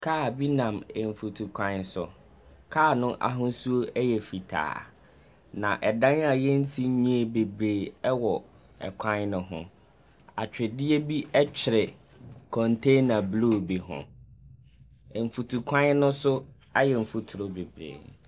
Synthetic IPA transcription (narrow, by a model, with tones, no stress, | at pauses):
kʰaː˦˨bi˦nã˨mɛ˨ɱ̩˨fu˨tʰu˨kʷʰã˦nsʊ̰˨ | kʰaː˦˨nʊ̃˦ʔa̰˨ɦʊ̃˦su˦o˦ʔɛ˦jɛ˨fi˨tʰa̰ː˨ | nã˨ʔɛ˨dã˦na˨jɛ˦n̩˦tʰi˦ɲĩ˦e˨be˨bɾeː˨ɛ˦wɔ˨ | ɛ̰˨kʷʰã˦nnʊ̃˨ɦʊ̰̃˦ | a̰˨t͡ɕᶣɪ˨dɪ˦ɛ˦bi˦ʔɛ˦t͡ɕᶣʰɪ˨ɾɪ˨ | kʰɔ̃˨ntʰe˦na˨blo˦˨bi˨ɦʊ̰̃˨ | m̩˨fu˨tʰu˨kʰã˦nː˦nʊ̃˦sʊ˦ | a˦jɛ˨m̩˨fu˦tʰʊ˨ɾo˦be˨bɾḛː˨